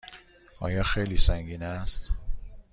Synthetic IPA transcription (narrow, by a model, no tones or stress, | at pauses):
ɒ̰ːjɒːxejliːsæŋɟiːnæst̪